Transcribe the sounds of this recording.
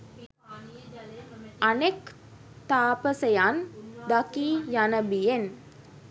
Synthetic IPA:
anek | t̪aːpəsəjand̪akiːjanəbijen

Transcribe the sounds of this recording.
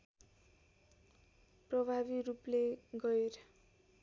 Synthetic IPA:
prʌbʱaβiɾupleɡʌeɾʌ

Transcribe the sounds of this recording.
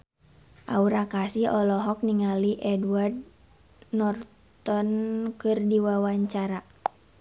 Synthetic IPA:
ʔauɾakasiɔlɔɦɔk̚niŋaliʔɛduard̚ | nɔr | t̪ɔnkɨrdiwawaɲt͡ʃaɾa

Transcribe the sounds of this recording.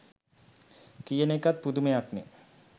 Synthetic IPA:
kijənekat̪̚pud̪umejakne

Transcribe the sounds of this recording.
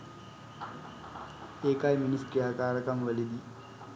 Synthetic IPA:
eːkajminiskɾijaːkaːɾɐkɐmʋəlid̪i

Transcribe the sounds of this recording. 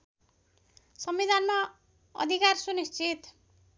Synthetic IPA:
sʌmbid̪ʱanma | ʌ̰d̪ʱikarsunist͡sit̪

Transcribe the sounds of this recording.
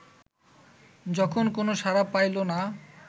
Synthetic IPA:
d͡ʑɔkʰonkonoʃaɾapajlona

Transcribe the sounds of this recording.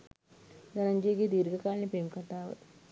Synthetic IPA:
ɡɐnɐɲd͡ʒiːɡid̪iːɾɡɐkaːlnipeːmkɐʈːaːʋɐ̰

